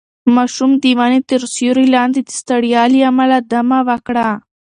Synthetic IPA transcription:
mɑʃumd̪iwɑnit̪əɾsjuɾilɑnd̪id̪i̥st̪aɽijɑliamalad̪amawakɽa

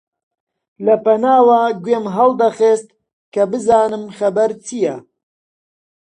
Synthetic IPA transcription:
lɐpɐnaːwaːɡweːmɦɐlˠd̪ɐχeːst̪̚ | kɐbɨzaːnɨmxɐbɐɾt͡sʰijɛ

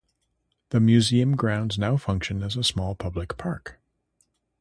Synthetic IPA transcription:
ðɨmjʉziɨ̃mɡɹãʊ̃ndznaʊfʌ̃ŋkʃɨ̃nɨzəsmɔlˠpʰʌblɨkpʰɑɹk

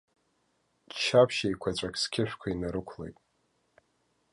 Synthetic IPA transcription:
t͡ʃʰapʰʃejkʷʰat͡ʃʷʼakʲʰskʲʰɪʃᶣkʷʰainaɾɨkʷʰlḛjtʼ

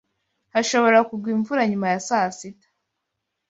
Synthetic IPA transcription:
haʃo̞βo̞ɾakubɡwiːɱvuɾaɲumajasasitḁ

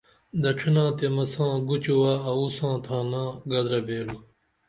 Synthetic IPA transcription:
d̪ɐʈ͡ʂʰinãːt̪emɐsãːɡut͡ɕuwaːɐusãːt̪ʰãːnãːɡɐd̪ɾɐbeːlu

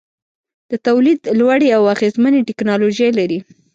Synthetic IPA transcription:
d̪̥ət̪awlid̪lwaɽeawaɣezmaneʈɪknɑloʒajlaɾi

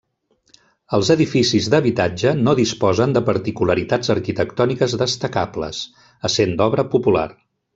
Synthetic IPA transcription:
əlˠzəðifisizd̪əβit̪ad͡ʒənoðispɔzənd̪əpəɾt̪ikuləɾit̪ad͡zəɾkit̪əkt̪ɔnikəzðəst̪əkaplə̰s | əsend̪ɔβɾəpupula̰r

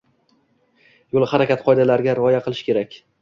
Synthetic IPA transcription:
jolˠhaɾakʲat̪qʰɒjd̪alaɾɡʲaɾɪɒjaqɨlˠɪʃkʰʲe̞ɾakʲ

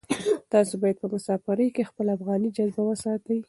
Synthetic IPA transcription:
t̪ɑsobɑjad̪̚pəmʊsɑfaɾəjkexpəlaafɣɑnid͡ʒazbawəsɑt̪awi

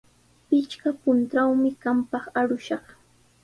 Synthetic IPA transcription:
pɪt͡ʃkapʊnt̪ɾawmɪkampɑχaɾʊʃɑχ

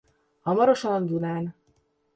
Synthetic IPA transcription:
ɒmɔɾoʃonnd̪unaːn

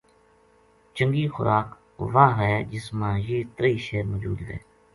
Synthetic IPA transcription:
t͡ʃə̃ŋɡiːxʊ̰ɾaːk | ʋaːɦɛːd͡ʒɪsmãːjiːt̪ɾiːʃeːɾmoːd͡ʒṵːd̪ɦɛ̰ː

